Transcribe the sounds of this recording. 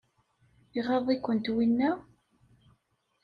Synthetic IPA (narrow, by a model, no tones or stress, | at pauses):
iʁɑðˤikʷːənt̪winːæ